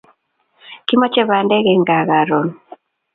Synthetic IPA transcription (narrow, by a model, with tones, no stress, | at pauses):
ki˦mɔ˦t͡ʃɛ˦βa˨ndɛ˦ɣɛ˨ŋɡa˨ɣa˨ɾo˨n